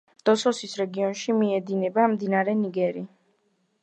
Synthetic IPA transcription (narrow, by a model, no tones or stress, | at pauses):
d̪̥ɔsɔsisɾɛɡiɔnʃimiɛd̪inɛbamd̪inaɾɛniɡɛɾi